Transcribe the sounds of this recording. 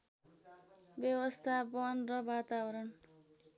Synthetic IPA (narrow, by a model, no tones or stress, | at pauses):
bjʌwʌst̪ʰabʌnrʌbat̪abʌɾʌn